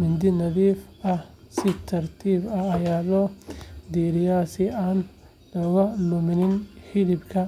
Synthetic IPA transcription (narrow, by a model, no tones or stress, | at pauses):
mɪnd̪ɪnɐðiːfɐhsɪt̪ʰɐrt̪ʰiːbɐɐjaːlɔːd̪iːɾɪjaːsɪaːn | lɔɣɐlʊmɪnɪnhɪðɪbkʰɐ